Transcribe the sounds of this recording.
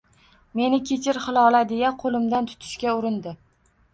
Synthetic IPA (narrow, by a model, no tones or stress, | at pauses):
me̞nɪkʲʰet͡ʃʰɪɾχɨlˠɒlad̪e̞jaqʰolɪmd̪ant̪ʰʊ̥t̪ʰɪ̥ʃkʲaʊɾɪnd̪ɪ